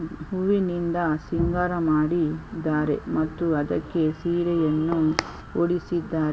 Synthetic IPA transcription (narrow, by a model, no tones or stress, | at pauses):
ɦuʋinind̪ɐsiŋɡaɾɐmaːɽid̪ːaːɾḛmɐt̪ːuɐd̪ɐkːesiːɾɐjɐnːu | oɽisid̪ːaːɾ